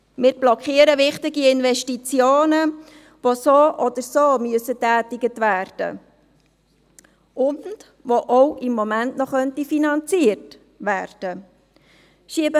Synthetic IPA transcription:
mɪːɾb̥lɔkχiːəɾəʋɪχtɪɡiɪnʋɛʃtit͡sjoːnə | ʋosoːʔɔd̥̪əɾsoːmyəsətæːtɪɡətʋæːrd̥ə̰ | ʊnd̥ | ʋoʔɔwɪmːɔmæntnɔχœntifinɑnt͡siːərt | ʋæːrd̥ə | ʃiəbə

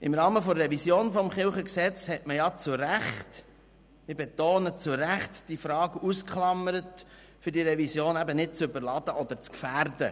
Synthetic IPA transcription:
ɪmɾɑːməfɔrɛvisjoːnfɔmχɪlχəksɛt͡shɛtməjɑt͡sʊɾæχt | mɪɾbet̪oːnət͡sʊɾæχt̪d̥ifɾɑːɡuskχlɑməɾət | fʏɾdiɾɛvisjoːnæbənɪd̚t͡sʏbəɾlɑd̥̪əʔɔd̪əɾt͡skfæːɾdə

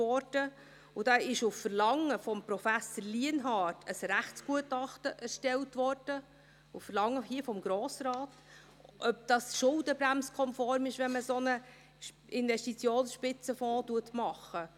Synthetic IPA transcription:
ɔrd̥ə | ʊd̥ɑːɪʃʊffəɾlɑŋːəfɔmpɾɔfæsəɾliənɦɑːtʰəsɾæχt͡sɡ̥uətɑχtəʔɛɾʃtɛltvɔrd̥ə | ʊfəɾlɑŋːəhiːəfɔmɡɾoːsɾɑːt | ʔœp̚d̥ɑsʃʊlˠdəbɾæmskʰɔmfɔɾmɪʃʋɛnməsonə | ɪnvɛstit͡sjoːnsʃpɪt͡səfɔ̃ːtuətmɑχːə

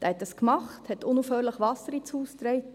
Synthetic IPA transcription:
d̥ɛhɛtdɑskmɑχthɛtʊnuːfhøːɾləχʋɑsəɾit͡suːst̪ɾɛɪt

